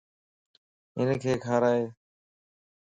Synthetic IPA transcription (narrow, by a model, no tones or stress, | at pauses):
ɪ̰nkʰeːkʰaːɾaːɦeː